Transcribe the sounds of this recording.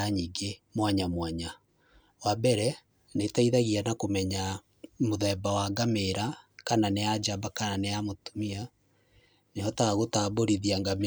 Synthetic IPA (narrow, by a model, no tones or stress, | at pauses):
aɲiŋɡemwaɲamwaɲa | wabɛɾɛ | netaiðaɣianakomɛɲa | moðɛbawaɡameɾakananead͡ʒabakananeamotu̥mia | nehɔtaɣotaboɾiðiaŋɡam